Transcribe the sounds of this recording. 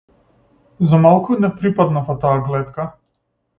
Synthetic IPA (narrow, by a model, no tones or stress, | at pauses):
zamalˠkunɛpɾipad̪nafat̪aːɡlɛt̪ka